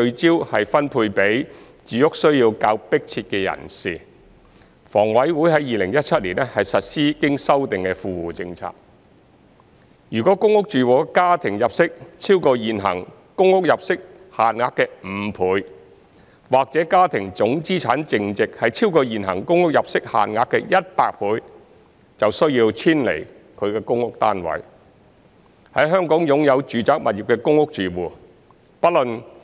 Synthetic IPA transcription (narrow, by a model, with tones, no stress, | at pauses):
t͡ʃɵ˧ɥt͡siː˥whɐ˨jfɐ˥npʰuː˧jpe˨˥j | t͡syː˨˧jʊ˥k̚sɵ˥ɥjiː˧wkaː˧wpɪ˥k̚t͡sʰiː˧t̚kɛː˧jɐ̰˨˩nsiː˨˩ | fɔː˨˩ŋwɐ˨˥jwuː˨˥jɦɐ˨˥jiː˨lɪ˨˩ŋjɐ˥t̚t͡sʰɐ˥t̚liː˨˩nɛ˥hɐ˨jsɐ˨t̚siː˥kɪ˥ŋsɐ˥wt̪ɪ˨ŋkɛ˧fuː˨˧wuː˨t͡sɪ˧ŋt͡sʰa̰ː˨k̚ | jyː˨˩kɔː˨˥kʊ˥ŋʊ˥k̚t͡ʃyː˨wɔː˨˧kaː˥t̪ʰɪ˨˩ŋjɐ˨p̚sɪ˥k̚t͡sʰiː˥wkɔː˧jiː˨nɦɐ̰˨˩ŋ | kʊ˥ŋːʊ˥k̚jɐ˨p̚sɪ˥k̚ | haː˨nŋaː˨˧kːɛː˧m̩˨˧pʰuː˨˥j | waː˨˩k̚t͡sɛː˨˥kaː˥t̪ʰɪ˨˩ŋt͡sʊ˨˥ŋt͡siː˥t͡sʰaː˨˥nt͡sɪ˨ŋt͡sɪ˨k̚hɐ˨jt͡sʰiː˥wkɔː˧jiː˨nɦɐ̰˨˩ŋkʊ˥ŋʊ˥k̚jɐ˨p̚sɪ˥k̚ha̰ː˨nŋaː˧kːɛ˧jɐ˥t̚paː˧k̚pʰuː˨˧j | t͡sɐ˨wsɵ˥ɥjiː˧wt͡sʰiː˥nlḛ˨˩j | kʰɵ˨˧ɥkɛː˧kʊ˥ŋʊ˥k̚t̪aː˥nwɐ̰˨j | hɐ˨˥jɦœː˥ŋkɔː˨˥ŋjʊ˨˧ŋjɐ˨˧wt͡ʃyː˨t͡saː˨˥k̚mɐ˨t̚ji˨p̚kɛː˧kʊ˥ŋʊ˥k̚t͡ʃyː˨˩wuː˨˩ | pɐ˥t̚lɵ˨n